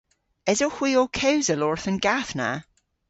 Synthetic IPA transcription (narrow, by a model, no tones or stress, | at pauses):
ɛzohw̥iːokʰewzəlɔɹθənɡ̥aθna̰